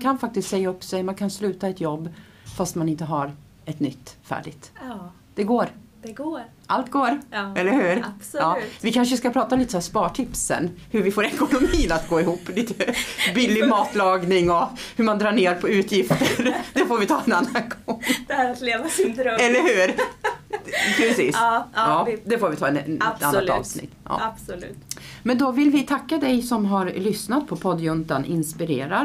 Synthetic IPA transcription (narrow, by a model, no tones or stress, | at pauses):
kʰanfak̚t̪ɪst̪sɛjːaɵpːsɛjmankʰanslʉ̟ːt̪aɛt̪jɔbː | fast̪manɪnt̪əɦaɾ | ɛt̪nʏt̪ːfæ̰ːɖɪɡt̪ | d̪̥ɛɡoːɾd̪̥ɛɡoː | ʔalt̪ɡoːɾɛlːəɾhʉ̟ːɾbsɑːvɪkʰanʂəskapʰɾɑːt̪aliːt̪əsspɑːʈʰɪpsɛ̰nhɵɾvɪfoːɾɛkʊnʊmiːnat̪̚ɡoːɪhuːpːliːt̪əbɪlːɪɡmɑːt̪lɑːɡnɪŋɔhɵmand̪ɾɑːɳeːɾpʰɔʉ̟ːt̪ʰjɪft̪əɾd̪ɛfoːɾvɪt̪ʰɑːɛnanːanɡɔŋd̪ɛæɾat̪leːvasɪnd̪ɾɔɛlːəɾhʉ̟ːɾ | pʰɾɛsiːsɑːd̪ɛfoːɾvɪt̪ʰɑːɛɛanːaɑ̰ːvsnɪ̰t̪ːʔɑ̰ːabslʉ̰ːt̪mɛnd̪ɔvɪlvɪt̪ʰakːad̪ɛjsɔmɦaɾlʏsnat̪̚pʰɔpʰɔd̪jɵnt̪anʔɪ̰nspɪɾḛːɾaɾ